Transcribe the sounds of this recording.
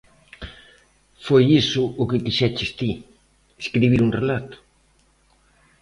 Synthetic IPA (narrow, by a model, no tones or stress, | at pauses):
fojisʊʔʊkɪkiʃɛt͡ʃest̪i | eskɾiβ̞iɾunrelat̪ʊ̥